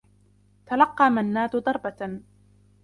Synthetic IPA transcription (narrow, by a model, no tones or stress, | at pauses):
t̪alɑqːɑːmanːaːd̪ʊd̪ˤɑɾˤba